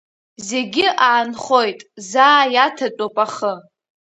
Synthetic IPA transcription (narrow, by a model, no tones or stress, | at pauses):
ze̞ɡʲɪʔaːnχo̞jtʼzaːjatʰat͡ʃʼopʼaχə